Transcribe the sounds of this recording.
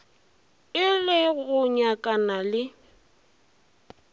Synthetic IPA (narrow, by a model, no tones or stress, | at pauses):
ɪlɪɣʊɲakʼanalɪ